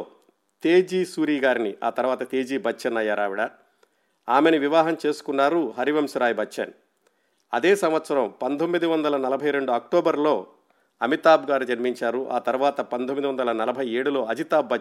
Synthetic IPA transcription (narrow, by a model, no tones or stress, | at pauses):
t̪e̞ːd͡ʒiːsuːɾiːɡaːɾiniʔaːt̪ɐɾuʋaːt̪ɐt̪e̞ːd͡ʒiːbʱɐt͡ʃʃɐnɐjːaːɾaːʋiɽɐ | aːmeniʋiʋaːɦɐmt͡ʃe̞ːsu̥kunːaːɾuɦɐɾiʋɐmsɾaːjbʱɐt͡ʃːt͡ʃːɐ̰n | ɐ̰d̪eːsɐmʋɐt̪sɐɾɐmpɐnt̪ʰomːid̪iʋɐnd̪ɐlɐnɐlɐbʱɐjɾe̞ɳɖuɐk̚ʈoːbɐɾlo̞ː | ɐmit̪aːbɡaːɾid͡ʒɐnimiɲt͡ʃaːɾuʔa̰ːt̪ɐɾuʋaːt̪ɐpɐnt̪ʰomːid̪iʋɐnd̪ɐlɐnɐlɐbʱɐjeːɽulo̞ːɐd͡ʒit̪aːbːɐ